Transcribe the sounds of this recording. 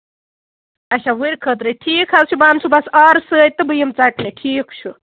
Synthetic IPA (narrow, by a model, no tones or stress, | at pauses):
ɐt͡ʃʰaɦuɾkʰət̪ɾəʈʰiːkʰɦɐlt͡ʃʰubant͡ʃʰubɐsɐɾsɨt̪ːɨbɨjəmt͡saʈnɨʈʰiːkt͡ʃʰu